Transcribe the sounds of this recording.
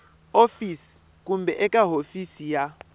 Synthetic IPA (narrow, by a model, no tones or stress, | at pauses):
ofisi̥ | k̬ʼumbʱɛʔɛkʼaɦofisija